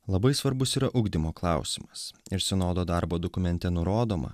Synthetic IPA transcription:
lˠɐbɐɪsʋɐɾbʊsiːɾɐʔʊɡd̪ʲɪmoːklˠɑˑʊsʲɪmɐsɪɾsʲɛnoːd̪oːd̪ɑɾboːd̪okʊmʲɛnʲt̪ʲɛnʊɾoːd̪oːmɐ̰

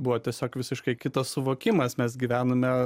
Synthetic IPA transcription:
buʋoːt̪ʲiɛsʲoːkʋʲɪsʲɪʃkɐɪkʲɪt̪ɐssʊʋoːkʲɪmɐsmʲɛsɡʲiːʋʲæːnomʲɛ

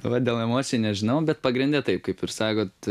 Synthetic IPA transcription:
ʋɐd̪ʲeːlˠɛmoːsʲɪɛnʲɛʒʲɪnɐʊbʲɛt̪̚pɐɡɾʲɪnʲd̪ʲɛt̪ɐɪpkɐɪpɪɾsɑːkoːt̪

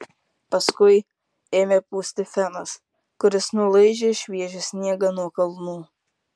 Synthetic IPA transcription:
pɐskʊɪ | eːmʲeːpuːsʲt̪ʲɪfʲɛnɐs | kʊɾʲɪsnʊlˠɐɪd͡ʒʲeːʃʲʋʲiɛʒʲʊsʲnʲiɛɡɐnuɔkɐlˠnuː

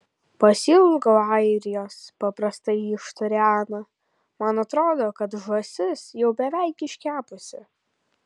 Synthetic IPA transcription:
pɐsʲilˠɡɐʊɑɪɾʲɪjoːspɐpɾɐst̪ɐɪɪʃt̪ʊɾʲæːnɐ | mɐnɐt̪ɾoːd̪oːkɐt̪ʒɔsʲɪsjɛʊbʲɛʋʲæˑɪkɪʃʲkʲæːpʊsʲɪ

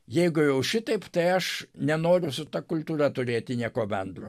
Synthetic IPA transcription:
jɛɪɡʊjɛʊʃʲɪt̪ɐɪpt̪ɐɪɐʃnʲɛnoːɾʲʊsʊt̪ɐkʊlʲt̪uːrɐt̪ʊɾʲeːt̪ʲɪnʲiɛkoːbʲɛnd̪roː

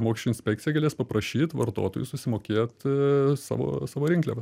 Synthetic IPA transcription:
moːkʲiʃʲt͡ʃʲʊɪnsʲpʲɛk̚t͡s̪ʲɪjɛɡɐlʲeːspɐpɾɐʃʲiːt̪ʋɐ̰ɾt̪o̰ːt̪oːjʊsʊsʲɪmoːkʲeːt̪sɑ̰ːʋo̰ːsɑːʋoɾʲɪŋklʲḛːʋɐ

